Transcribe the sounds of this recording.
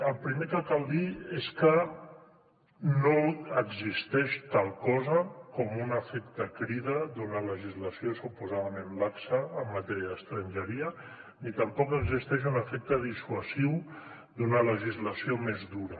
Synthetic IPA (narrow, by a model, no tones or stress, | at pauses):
əlˠpɾimekəkalˠd̪ieskə | noəɡzist̪ɛʃt̪alˠkɔzəkɔmunəfekt̪əkɾiðəd̪unələʒizləsiosupuzaðəmẽnlaksəːmːat̪ɛɾjəðəst̪ɾənʲʒəɾiə | nit̪əmpɔkəɡzist̪ɛʃ̬unəfek̚t̪əðisuəziw | d̪unələʒizləsiomezduɾə